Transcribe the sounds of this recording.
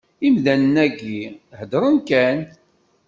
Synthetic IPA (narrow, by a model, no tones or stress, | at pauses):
imðænənæɡihəd̪ɾˤənkæn